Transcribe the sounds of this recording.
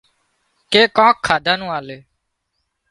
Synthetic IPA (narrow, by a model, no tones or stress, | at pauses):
keːkãːkʰːaːd̪ãːnũːaːleː